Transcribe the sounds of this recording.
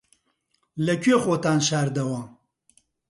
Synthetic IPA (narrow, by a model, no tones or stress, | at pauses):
lɐkʲɥexoːt̪aːnʃaːɾd̪ɐwaːm